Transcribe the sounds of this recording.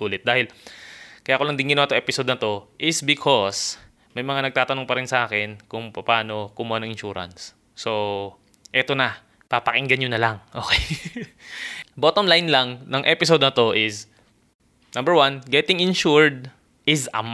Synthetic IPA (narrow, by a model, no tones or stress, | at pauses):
uːlɪt̪̚d̪aːhɪl | kɐjaːkolɐŋd̪ɪŋɡɪnowat̪oʔɛpɪsod̪̚nɐt̪o̞ʔɪsbɪkʰos | mɐjmɐŋanɐɡ̚t̪aːt̪ɐnoŋpɐɾɪnsɐʔaːkɛnkʊŋpɐpaːno̞kʊmʊanɐŋɪnʃuːɾɐ̰nsː | o̞ | ʔɛt̪o̞nɐ | papɐkɪŋɡɐnɲonɐlaŋʔo̞̰ːkɛj | bot̪omlajnlɐŋnɐŋʔɛpɪsod̪̚nɐt̪o̞ʔɪs | nɐ̃mbɛɹwanɡɛt̪ɪŋɪnʃuɹd̪̚ | ʔɪsɐ̰m